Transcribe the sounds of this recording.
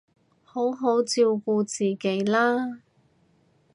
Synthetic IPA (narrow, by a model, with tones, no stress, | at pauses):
ho˨˥wɦo˨˥wt͡siː˧wkuː˧t͡siː˨˩ke˨˥jlaː˥